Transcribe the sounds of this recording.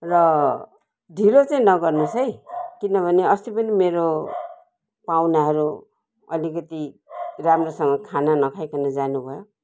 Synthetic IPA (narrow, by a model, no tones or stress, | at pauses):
rʌ | ɖʱilot͡saĩnʌɡʌrnusʰʌjkinʌbʱʌneʌst̪upʌnimeɾo | pawnaɦʌɾu | ʌ̰likʌt̪iramrosʌŋɡʌkʰananʌkʰajkʰanad͡zanubʱʌjo